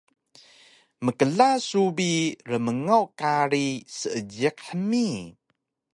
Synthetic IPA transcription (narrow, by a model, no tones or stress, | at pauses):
məkəɮasubiɾəməŋawkaɾisəəɟik̚ħəmi